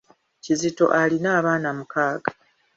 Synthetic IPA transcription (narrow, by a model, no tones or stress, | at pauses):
cizito̞̰ʔalinaːβaːnamukaːɡa